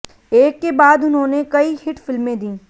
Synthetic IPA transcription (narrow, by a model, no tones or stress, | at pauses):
eːkːebaːd̪ʊnɦõːnekɐihɪʈfɪlmẽd̪ĩː